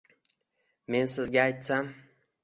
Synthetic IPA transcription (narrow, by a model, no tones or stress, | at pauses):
me̞nsɪzɡʲaːjt̪sam